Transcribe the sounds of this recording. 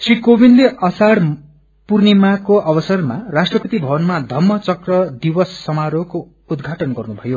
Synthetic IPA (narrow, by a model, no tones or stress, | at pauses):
srikobinleʔʌsaɽ | purnimakoʔʌbʌsʌrmarasʈrʌpʌt̪ibʱʌbʌnmad̪ʱʌmːʌt͡sʌkrʌd̪ibʌsːʌmaɾoko | ud̪ɡʱaʈʌnɡʌrnubʱʌjo